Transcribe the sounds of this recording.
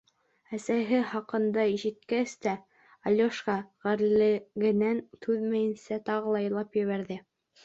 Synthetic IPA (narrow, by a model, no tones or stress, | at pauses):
æsæɦɘχɑqɤ̆nd̪ɑiʃɘ̆t̪̚kæst̪æ | ɑlʲjoʃʁɑʁæɾlɘ̆ɡɘ̆nænt̪ʰʉðmæjɘ̆nsæt̪ɑʁɤ̆lˠɑjɤ̆lˠɑpjɘ̆βæɾðɘ